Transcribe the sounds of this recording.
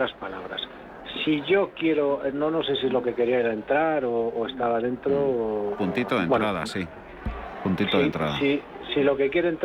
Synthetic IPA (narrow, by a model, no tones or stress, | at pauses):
aspalaβɾa̰s | siʝo̞kje̞ɾo̞no̞no̞se̞siezlo̞ke̞ke̞ɾiaeɾaent̪ɾaɾoːe̞st̪aβaðe̞nt̪ɾopunt̪it̪oðennɾaða̰si | punt̪it̪oðent̪ɾaðaisilo̞ke̞kje̞ɾont̪